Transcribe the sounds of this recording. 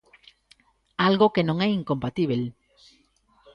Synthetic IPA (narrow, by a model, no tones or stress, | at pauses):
alɣokenõŋɛiŋkõmpat̪iβ̞el